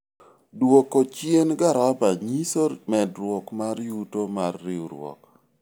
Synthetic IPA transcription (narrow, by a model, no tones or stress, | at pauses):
dwokot͡ʃjenɡaɾabaɲisomɛdɾwɔkmaɾjutomarːiuɾwɔ̰k